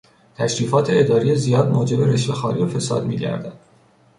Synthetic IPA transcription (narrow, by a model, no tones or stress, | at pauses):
t̪ʰæʃɾiːfɒːt̪ʰe̞ed̪ɒːɾijezijɒːd̪moːd͡ʒe̞be̞ɾeʃve̞xɒːɾijofe̞sɒ̰ːd̪mḭːɟæ̰ɾd̪æn̥